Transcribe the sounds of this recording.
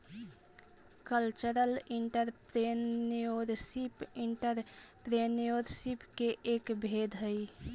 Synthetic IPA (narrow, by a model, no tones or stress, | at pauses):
kəlt͡ʃəɾəlɪɳʈəɾpɾeoːɾsipɪɳʈəɾpɾeːnoɾsipkeʔeːkbʱeːd̪ʱɦəi